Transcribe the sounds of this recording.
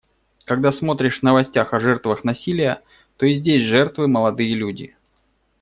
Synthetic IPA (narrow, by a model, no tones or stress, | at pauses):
kɐɡd̪asmo̞t̪ɾʲɪʂvnəvɐsʲtʲaxɐʐɛrt̪vəxnɐsʲilʲɪjə | t̪o̞ɪzʲdʲesʲʐɛrt̪vɨməlˠɐd̪ɨjəlʲudʲɪ̰